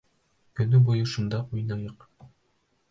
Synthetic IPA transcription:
kɵ̆nɵbujɤʃŭnd̪ɑʔujnɑjɤq

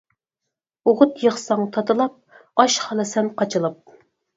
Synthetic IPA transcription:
oʁʊt̪jəχsɑŋt̪ʰɑt̪ɨlˠɑp̚ | ɑʃχɑlˠɨsɛmqʰɑt͡ʃʰɨlˠɑp̚

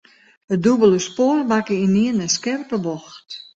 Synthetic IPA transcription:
ədubəlˠəspoːrbakəiniənəskɛrpəbɔxt

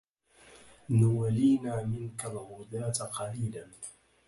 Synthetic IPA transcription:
nʊwaliːnaːmɪŋkalɣʊd̪aːt̪qɑliːlan

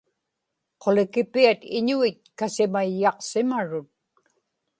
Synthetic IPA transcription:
qʰo̞lɪkɪpiat̪ɪɲuit̪̚kasɪmajːɑqsɪmaɻʊt̪̚

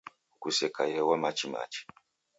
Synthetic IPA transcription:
ukusɛkajɛwamat͡ʃima̰t͡ʃi̥

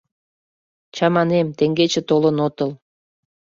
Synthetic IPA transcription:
t͡ɕɑmɑnemt̪eŋɡet͡ɕĕt̪olənot̪ɤl

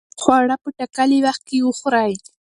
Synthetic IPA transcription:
χwaɽapʊt̪akalɪwɑχkɪʊχɾaj

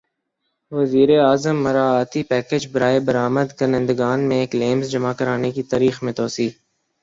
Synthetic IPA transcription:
ʋəziːɾeaːzəmːəɾaːaːt̪ipɛːkeːd͡ʒbəɾaːebəɾaːməd̪kəɾnẽːnd̪əɡaːnmẽeːkleːmzd͡ʒəmakəɾaːnekit̪aːɾiːxmẽt̪oːsiː

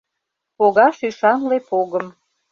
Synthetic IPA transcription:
poɣɑʃyʃɑnlepoɣəm

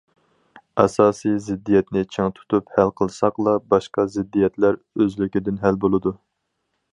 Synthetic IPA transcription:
ɛsɑːsɨjzɪd̪ːijɛt̪nɪt͡ʃʰeŋt̪ʰu̥t̪uphælqʰəlˠsɑqlˠɑbɑʃqɑzɪd̪ːijɛt̪læɾ | øzlykʲid̪ɪnɦælbolˠɨd̪u

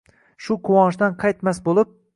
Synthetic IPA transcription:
ʃʊqʰʊwɒnɪʃd̪anqʰɑjt̪masbolˠɪp̚

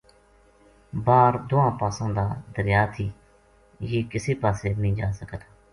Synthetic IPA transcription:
baːɾd̪ʊãːpaːsãːd̪aːd̪əɾjaːt̪ʰiː | jiːkɪseːpaːseːmĩːd͡ʒaːsəkət̪

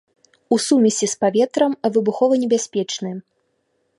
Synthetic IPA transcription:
usumʲɐsʲispavʲɛt̪ɾɐmɐvɨbuxɔvɐnʲɛbʲasʲpʲɛt͡ʂnɨ

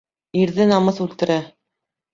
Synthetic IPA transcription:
iɾðɘnɑmɤθʉlt̪ɘ̆ɾæ

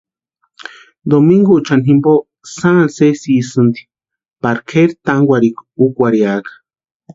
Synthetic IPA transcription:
d̪omiŋɡot͡ʃanhimbo | sãansesisɨnd̪i̥ | paɾkʰeɾt̪aŋɡʷaɾikukʷaɾiakḁ

